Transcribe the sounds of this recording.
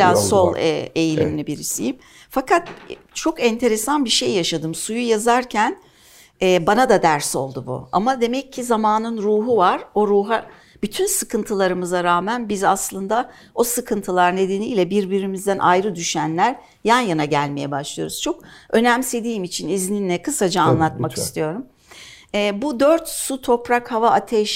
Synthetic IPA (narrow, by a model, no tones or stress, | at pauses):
aːso̞lˠɛ̰ejilʲiminʲibiɾisḭjim | fakʰat̪̚ | t͡ʃʰo̞kɛnt̪ʰe̞ɾesanbiʃe̞jːaʃad̪ɯmsujujazaɾcʰæn | ɛbanad̪ad̪æɾso̞̰lˠd̪ubṵa̰mad̪e̞mɛcʰːizamaːnɯnɾuːɦuvaɾ̥o̞ɾuːɦa | b̥yt̪ʰynsɯkʰɯnt̪ʰɯlˠaɾɯmɯzaɾaːmænbizaslˠɯnd̪a | o̞sɯkʰɯnt̪ʰɯlˠaɾne̞d̪e̞niːlʲɛbiɾbiɾimizd̪ænʔa̰jɾɯd̪yʃænlʲæɾ | janjanaɟælʲme̞jɛbaʃlˠɯjo̞ɾuz̥t͡ʃʰo̞kø̞næmse̞d̪iːmit͡ʃʰinizninːɛkʰɯsad͡ʒaːnlˠat̪maki̥st̪ʰijo̞ɾum | ɛːbud̪øɾt̪sut̪ʰo̞pɾakhavaʔat̪ʰɛʃ